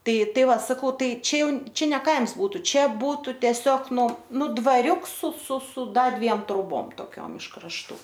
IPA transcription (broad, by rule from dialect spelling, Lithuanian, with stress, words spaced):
ˈtɐɪ ˈtɐɪ ˈʋɐ sɐˈkɐʊ ˈtɐɪ ˈt͡ʃʲɛ ˈjɛʊ ˈt͡ʃʲɛ nʲɛ ˈkɐɪms ˈbuːtʊ ˈt͡ʃʲɛ ˈbuːtʊ tʲɛˈsʲoːk ˈnʊ ˈnʊ dʋɐˈrʲʊks sʊ sʊ sʊ ˈdɐr ˈdʲʋʲiɛm troːˈboːm toːˈkʲoːm ɪʃ krɐʃˈtuː